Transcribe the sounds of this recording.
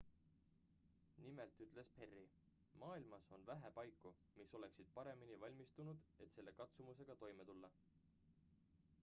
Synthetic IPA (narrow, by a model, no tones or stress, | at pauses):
nimelt̪yt̪ˑle̞spe̞rːi | mɑːilmɑso̞nvæɦepɑjkːˑu | miso̞le̞ksid̪̥̚pɑɾe̞minivɑlʲmist̪unud̪e̞t̪se̞lːe̞kɑt̪sumuse̞ɡ̥ɑt̪o̞jme̞t̪ulːɑ